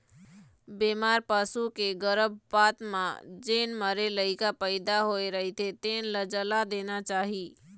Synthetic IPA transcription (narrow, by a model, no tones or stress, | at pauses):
bemaɾpasukeɡəɾəbpat̪mã̰d͡ʒenməɾeləɪkapəɪd̪aɦoeɾəɦit̪ʰet̪eːnləd͡ʒəlad̪enat͡ʃaɦi